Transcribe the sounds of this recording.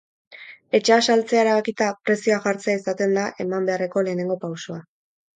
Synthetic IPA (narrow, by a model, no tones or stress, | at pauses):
e̞t͡ʃeasalt͡se̞aeɾaβakit̪apɾe̞sioaʝaɾt͡seaisat̪e̞nd̪aʔe̞mambe̞are̞ko̞le̞ːne̞ŋɡo̞pawso̞a